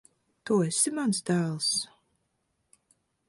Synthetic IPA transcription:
t̪uːesimansd̪æːlˠs

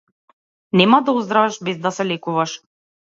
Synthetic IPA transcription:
nɛmad̪auzd̪ɾavɛʃbɛzd̪asɛlɛkuvaʃ

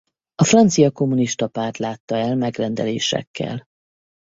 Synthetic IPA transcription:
ɒfrɒnt̪sijɒko̞mːuniʃt̪ɒpaːrt̪laːt̪ːɒɛlmɛɡrɛnd̪ɛlḛːʃɛ̰kːɛ̰l

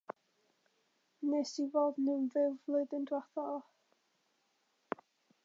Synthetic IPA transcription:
nesivoːdnɪnvɪvlˠʊɨðəndwaθɔ

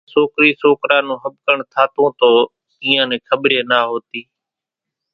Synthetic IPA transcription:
soːkɾiːsoːkɾaːnũːɦəbkəɳt̪ʰaːt̪õːt̪oː | iːãːnɛ̃ːkʰəɓɾeːnaːɦoːt̪iː

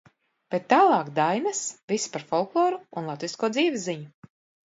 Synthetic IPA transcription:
b̥et̪ːaːlˠɑːkd̪ajnasvispaɾfɔlˠklˠɔːɾuunlˠat̪viskuːd̪ziːvʲizːiɲu

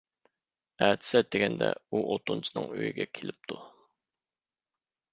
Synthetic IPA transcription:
æːt̪ʰɪ̥sɛd̪eɡʲɛnd̪ɛ̰uʔot̪unt͡ʃʰɨnɨŋøjiɡʲɛkʲʰelɪp̚t̪ʰu

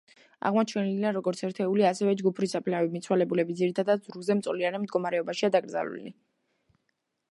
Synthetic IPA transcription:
a̰ʁmɔt͡ʃʰɛniliaɾɔɡɔɾt̪sʰɛɾt̪ʰɛuliasɛvɛd͡ʒɡupʰɾisapʰlɛnavɛbmit̪sʰwalɛbulɛbid̪ziɾit̪ʰad̪ad̪z̥ɾuzɛmt̪sʼlianɛmd̪ɡɔmaɾɛɔbaʃiad̪aɡɾd̪za̰lṵlḭ

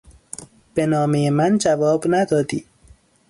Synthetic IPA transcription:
b̥e̞nɒːmejemænd͡ʒævɒːbnæd̪ɒːd̪iː

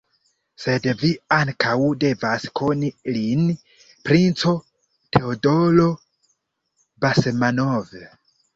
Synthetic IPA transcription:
se̞dviaŋkawde̞vaskʰo̞nilin | pɾint͡so̞ | tʰe̞odo̞lo̞ | basemanove

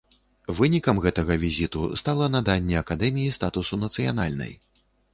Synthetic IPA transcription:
vɨnʲikɐmɣɛt̪ɐɣɐvʲizʲit̪ṵst̪alˠɐnad̪anʲːɛɐkad̪ɛmʲijist̪at̪usunɐt̪sɨja̰na̰lʲnɐ̰j

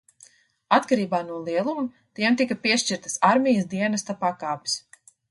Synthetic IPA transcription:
at̪kaɾiːbaːnuɔlˠiɛlˠum | t̪iɛmt̪ikapiɛʃt͡ʃiɾt̪ɐsaɾmʲijsd̪iɛnɐst̪apaːkaːpi̥s

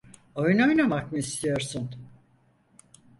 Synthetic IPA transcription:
o̞jno̞jnamak̚mɯist̪ʰijo̞ɾsun

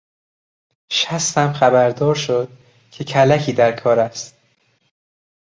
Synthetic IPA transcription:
ʃæst̪æmxæbæɾd̪ɒːɾʃod̪̥̚ | cʰe̞cʰælæcʰiːd̪æɾkʰɒːɾæst̪̚

